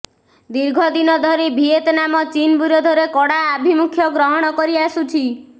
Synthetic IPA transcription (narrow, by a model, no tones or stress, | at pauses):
d̪iɾɡʱɔd̪inɔd̪ʱɔɾebʱiet̪namɔt͡ʃinbuɾjɔd̪ʱɔɾekɔɽaːbʱimukʰjɔɡɾɔɦɔɽ̃ɔkɔɾiasut͡ʃʰi